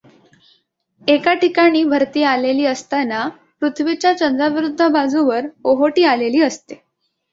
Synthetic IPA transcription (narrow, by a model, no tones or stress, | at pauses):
ekaʈikaɽ̃iːbʱəɾt̪iːaleliːəst̪ana | pɾut̪ʰʋit͡ɕjat͡ɕənd̪ɾaʋɾud̪ʱːəbad͡zũʋəɾoɦoʈiːaleliːəst̪e